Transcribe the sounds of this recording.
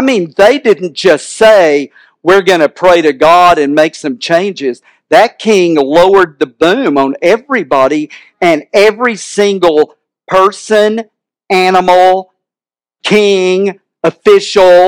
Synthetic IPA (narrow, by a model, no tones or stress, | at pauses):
ɪmĩnðeɪdɪdⁿn̩d̥ʒ̥ʌstseɪ | wɪɹɡʌnɨpʰɹ̥eɪɾɨɡɑɾɨ̃nmeɪksʌ̃mt͡ʃʰẽɪ̃nd͡ʒɪz | ðɨt̚kʰɪ̃ŋloʊə˞d̪̚ðɨbʉ̃mə̃nɛvɹibɑɾi | ɨ̃nɛvɹisɪ̃ŋɡl̩ˠ | pʰɜ˞sɨ̃n | ænəml̩ˠ | kʰɪ̃ŋ | ɨfɪʃl̩ˠ